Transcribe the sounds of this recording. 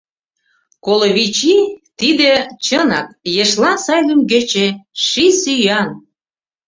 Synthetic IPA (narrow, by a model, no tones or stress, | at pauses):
koloβit͡ɕit̪id̪ĕt͡ɕənɑ̰k̚jeʃlɑnsɑjlymɡĕt͡ɕeʃisyjɑn